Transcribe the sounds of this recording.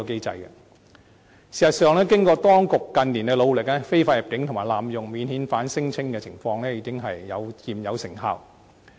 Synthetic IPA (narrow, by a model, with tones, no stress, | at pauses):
ke˥jt͡sɐ̰˧jkɐ̰˧ | siː˨˩sɐ˨t̚sœː˨˧ŋlɛː˥kɪ˥ŋkɔː˧t̪ɔː˥ŋkʊ˨kːɐ˨nliː˨˩nkɛ˧lo˨˧wlɪ˨k̚lɛː˥fe˥jfaː˧ji˨˩p̚kɪ˨˥ŋt̪ʰʊ˨˩ŋmaː˨˩jlaː˨mjʊ˨˩ŋmiː˨˧nhiː˨˥nfaː˨˥nsɪ˥ŋt͡sʰɪ˥ŋkɛː˧t͡sʰɪ˨˩ŋfɔː˧ŋlɛː˥jiː˧kɪ˥ŋɦɐ˨jːɐ̰˨˧wjiː˨˩mjɐ˨˧wsɪ˨˩ŋɦa̰ː˧˨w